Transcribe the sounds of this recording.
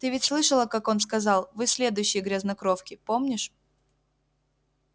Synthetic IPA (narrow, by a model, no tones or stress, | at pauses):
t̪ɨvʲɪtʲslˠɨʂəlˠəkako̞nskɐzɑlˠvɨsʲlʲe̞d̪ʊjɕːɪjəɡɾʲaznɐkɾo̞fkʲɪpomnʲɪʂ